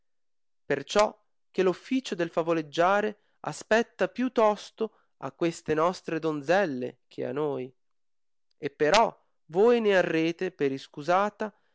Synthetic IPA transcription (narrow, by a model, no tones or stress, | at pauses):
pert͡ʃɔ | k̟elufːiːt͡ʃod̪elfavoled͡ʒːaːɾe | a̰spɛt̪ːapjut̪ːɔst̪o | a̰kːwest̪enɔst̪ɾed̪ond̪zɛlːḛk̟ʰea̰nːoːj | epːeɾɔ | voːjnearːeːt̪epeɾiskuzaːt̪a